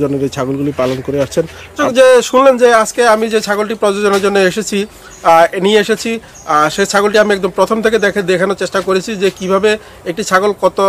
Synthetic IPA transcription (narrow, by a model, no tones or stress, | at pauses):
d͡ʑonːeɾet͡ɕʰaɡolɡulipalonkoɾeaʃt͡ɕʰenokd͡ʑeʃunlend͡ʑead͡ʑkeamid͡ʑet͡ɕʰaɡolʈipɾod͡ʑod͡ʑoneɾd͡ʑonːoeʃet͡ɕʰi | enieeʃet͡ɕʰi | ʃet͡ɕʰaɡolʈiamiɛk̚d̪ompɾot̪ʰomt̪ʰeked̪ɛkʰed̪ekʰanot͡ɕeʃʈakoɾet͡ɕʰid͡ʑekibʱabe | ek̚ʈit͡ɕʰaɡolkɔt̪o